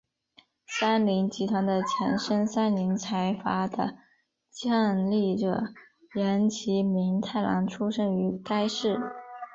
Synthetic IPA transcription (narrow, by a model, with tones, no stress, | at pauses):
sa˥nli˧˥ŋt͡ɕi˧˥t̪ʰwa˧˥nd̪ə˧t͡ɕʰjɛ˧˥nʂə˥ŋsa˥nli˧˥ŋt͡sʰa˧˥ɪfa˧˥d̪ə̰˧ | t͡ɕjɑ˥˧ŋli˥˩ʈ͡ʂə̰˧˩ | jɛ˧˥nt͡ɕʰi˧˥mi˧˥ŋt̪ʰa˥˩ɪlɑ̰˧˥ŋʈ͡ʂʰu˥ʂə˥ŋy˧˥k̪a˥ɪʂɻ̩˥˩